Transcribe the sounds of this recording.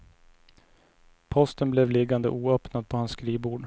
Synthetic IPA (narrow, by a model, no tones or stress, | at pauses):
pʰɔst̪ənblɛvlɪɡand̪əʔuːœːpnad̪̚pʰɔhansːkɾiːbuːɖ